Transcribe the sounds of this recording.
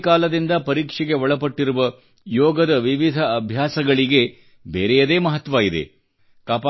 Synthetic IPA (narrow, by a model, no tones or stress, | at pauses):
kaːlɐd̪ind̪ɐpɐɾiːkʂɛɡe̞ʋɔɭɐpɐʈːiɾuʋɐ | jɔːɡɐd̪ɐʋiʋid̪ʱɐːbʱjaːsɐɡɐɭiɡe̞ | beːɾɛjɐd̪e̞ːmɐɦɐt̪ːʋaːid̪e̞̰ | kaːpa